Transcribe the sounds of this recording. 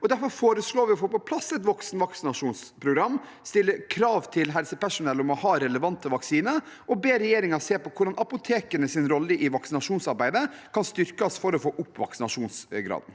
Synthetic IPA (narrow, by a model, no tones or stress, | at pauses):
ɔd̪æɾfɔɾfoːɾəsɭoːʋɪɔfoːpɔpʰlɑsɛt̪ʋɔksnʋɑksɪnɑʂuːnspʰɾʊɡɾɑmː | st̪ɪlːəkʰɾɑːʋt̪ʰɪlɦɛlsəpæʂʊnɛlʊmɔhɑːɾɛləʋɑnt̪əʋɑksiːnəɾ | ɔbeːɾɛjeːɾɪŋɑɾseːpɔkʰʊɖɑnʔɑpʊt̪ʰeːkənəsɪnɾɔlːəʔɪʋɑksɪnɑʂuːnsɑɾbæɪd̪əkʰɑnst̪ʏɾkɑsfɔɾɔfoːʔʊpːʋɑ̰ksɪnɑʂuːnsɡɾɑ̰ːd̪n